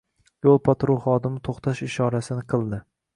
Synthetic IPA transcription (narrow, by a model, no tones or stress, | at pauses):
jolˠpʰat̪ɾoχɒd̪ɪmɪt̪ʰoχt̪ʰaʃɪʃɒɾasɪnɪqʰɨlˠd̪ɪ